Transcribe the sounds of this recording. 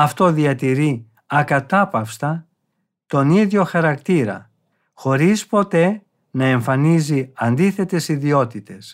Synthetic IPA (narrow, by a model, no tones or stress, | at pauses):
ɐft̪o̞ðiɐt̪iɾi | ɐkɐt̪ɐpɐfst̪ɐ | t̪o̞niðʝo̞xɐɾɐkt̪iɾɐ̰ | xo̞ɾispo̞t̪e̞ | nɐe̞ɱfɐniziɐnd̪iθe̞t̪e̞siðio̞t̪it̪e̞s